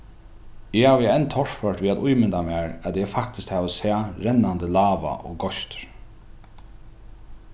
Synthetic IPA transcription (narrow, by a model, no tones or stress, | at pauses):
ɪhaːʋɛnt̪ʰɔɹfœɹʈ̪ʋiːat̪ujmɪnt̪amaːɹæt̪jɛfak̚t̪ɪskt̪haːʋəsæːɾɛnːand̪əlaːʋa̰ʔɔ̰ɡɔʃt̪ʏ̥ɾ̥